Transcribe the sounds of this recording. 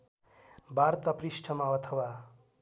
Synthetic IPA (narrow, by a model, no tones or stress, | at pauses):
baɾt̪ʌprisʈʰʌmaʌt̪ʰʌwa